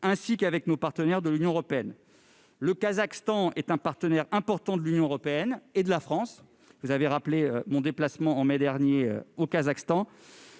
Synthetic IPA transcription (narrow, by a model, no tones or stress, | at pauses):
ɛ̃sikavɛknopaʁt̪ənɛʁd̪əlynjɔ̃ʁɔpeɛn | ləkazakst̪ɑ̃ɛt̪ɛ̃paʁt̪ənɛʁɛ̃pɔʁt̪ɑ̃d̪əlynjɔ̃øʁɔpeɛned̪əlafχɑ̃s | vuzaveʁapleømɔ̃d̪eplasmɑ̃ːmɛd̪ɛʁnjeø̰okazakst̪ɑ̃